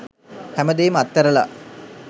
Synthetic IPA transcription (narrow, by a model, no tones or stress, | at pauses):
hæməd̪ejmat̪ːɐɾɐla̰